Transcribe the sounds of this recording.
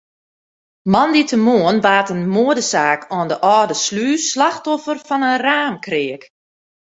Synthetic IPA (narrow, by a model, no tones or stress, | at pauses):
mɑnditʰəmoənʋaːtənmoədəsaːkʰɔndəʔɔːdəslyːslaxtɔfərfɔnənraːmkrɪək